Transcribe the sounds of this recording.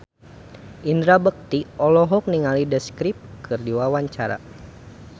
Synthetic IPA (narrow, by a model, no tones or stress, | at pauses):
ʔindɾabək̚t̪iɔlɔɦɔk̚niŋalidəskɾip̚kʰɨrdiwawaɲt͡ʃaɾa̰